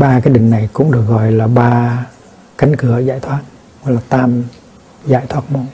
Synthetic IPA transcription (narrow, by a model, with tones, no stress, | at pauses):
ɓaː˧kaː˨˦jɗï˨˩ŋ̟na˨˩jkʊ̰˧˥ŋ͡mɗɨ˨˩ək̚ɣɔ̰˧˨jlaː˨˩ɓaː˧ | ka˨˦jŋ̟kɨ˨˧˩əzaː˧˨jt̪ʰwaː˦˥t̚ | vɔ˧˦jlaː˨˩t̪aː˧m | za̰ː˧˩˨jt̪ʰwaː˦˥t̚mɔ˧n